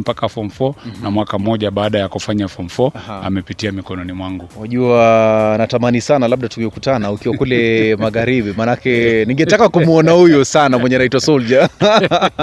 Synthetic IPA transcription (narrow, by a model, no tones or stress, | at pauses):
m̩pakafɔmfɔnamwakam̩ɔʄaɓaːɗajakufaɲafɔm̩fɔa̰mɛpitiamikɔnɔnimwaŋɡuwaʄuanatamanisanalaɓ̚ɗatuɡɔkutanaukiwakulɛmaɣaɾiɓimanakɛniŋɡɛtakakumuɔnahujusanamwɛɲɛnaitwasɔld͡ʒa